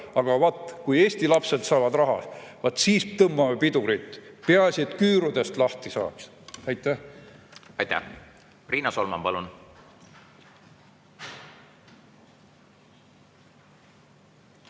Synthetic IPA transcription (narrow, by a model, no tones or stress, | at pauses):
ɑɡ̥ɑvɑt̪ːˑkuje̞ːst̪ilɑpse̞d̪̥sɑːvɑd̪rɑɦɑ̰svɑt̪ːˑsiːst̪ɤmbɑmɑpid̪uɾit̪ːpeɑsʲiet̪kyːɾud̪e̞st̪lɑht̪isɑ̰ːks | ɑjt̪ːˑæh | ɑjt̪æ̰ | priːnɑsolmɑ̰mpɑlun